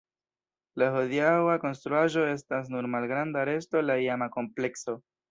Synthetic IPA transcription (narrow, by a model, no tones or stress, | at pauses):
lahodiawako̞nst̪ɾuaʒo̞e̞s̬tas̬nuɾmalɡɾandaɾe̞sto̞laiamako̞mple̞kso̞